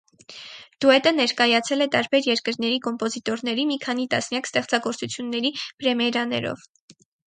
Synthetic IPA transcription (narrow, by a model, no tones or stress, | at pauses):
d̪̥uɛt̪ənɛɾkɑjɑt͡sʰɛlɛt̪ɑɾbɛɾjɛɾkəɾnɛɾikɔmpɔzit̪ɔɾnɛɾimikʰɑn̪it̪ɑsnjɑkst̪ɛχt͡sɑɡɔɾt͡sut͡sʰjunːɛɾipɾɛmɛɾɑnɛ̰ɾɔ̰v